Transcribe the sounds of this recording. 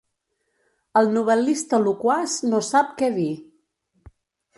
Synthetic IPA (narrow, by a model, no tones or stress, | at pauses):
əlˠnuβ̞əlist̪əlukwaznosap̚kɛði